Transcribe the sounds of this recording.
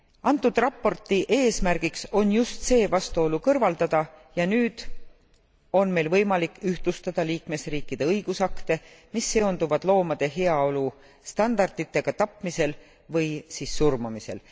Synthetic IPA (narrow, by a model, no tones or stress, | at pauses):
ɑnt̪ːˑud̪rɑpːˑo̞rt̪ːˑiʔe̞ːsmærɡ̥ikso̞njust̪se̞ːvɑst̪uo̞lukɤrvɑld̪ɑd̪̥ɑjɑnyːd̪̥ | o̞nme̞lvɤjmɑlikːˑyht̪lust̪ɑd̪̥ɑliːkme̞sriːkːˑid̪̥e̞ɤjɡ̥usɑkt̪e̞ | misːe̞o̞nd̪̥uvɑd̪̥lo̞ːmɑd̪̥e̞ɦe̞ɑo̞lu | st̪ɑnd̪̥ɑrd̪it̪ːˑe̞ɡ̥ɑt̪ɑpmise̞l | vɤjsiːsːurmumise̞̰l